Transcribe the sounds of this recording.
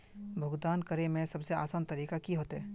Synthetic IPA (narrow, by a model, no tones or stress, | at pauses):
bʱʊɡd̪aːnkɐɾemẽsɐbsea̰ːsaːnt̪ɐɾiːkakiɦoːt̪ɦɛː